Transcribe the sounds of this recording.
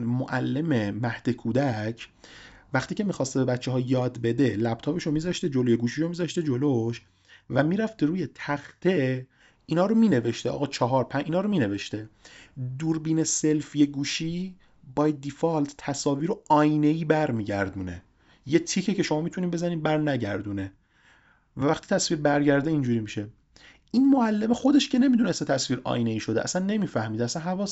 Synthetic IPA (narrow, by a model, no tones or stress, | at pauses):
moʔælːe̞memæhd̪ekʰud̪æcʰ | væxt̪iːcʰe̞mixɒːst̪ebe̞bæt͡ʃːeɦɒːjɒːd̪be̞d̪e̞læb̥̚t̪ʰɒːpe̞ʃomiːzɒʃt̪ed͡ʒoloje̞ɡuːʃiʃomiːzɒʃt̪e̞d͡ʒoloʃ | væmiːɾæft̪ʰeɾuːje̞t̪ʰæxt̪ʰe̞ | iːnhɒːɾomiːne̞veʃt̪eʔɒ̰ɣɒːt͡ʃʰɒɦɒːɾpʰæʔiːnɒːɾomiːne̞ve̞ʃt̪e̞d̪uːɾbiːnese̞lfjeɡuːʃiː | bɒːjæd̪̚d̪ifɑlt̪ʰt̪ʰæsɒːviːɾoɒjne̞iːbæɾmiːɟæ̰ɾd̪une̞̰ | jet̪ʰicʰece̞ʃo̞mɒːmiːt̪ʰuniːbezæniːmbæɾnæɟæ̰ɾd̪une | vævæxt̪i̥ːt̪ʰæsviːɾbæɾɟæɾd̪eind͡ʒuːɾimiʃe̞ | ʔinmoælːemexo̞d̪e̞ʃce̞ne̞miːd̪unest̪et̪ʰæsviːɾɒ̰jneiːʃod̪eʔæ̰sænːe̞miːfæhmiːd̪eæsænɦævɒːs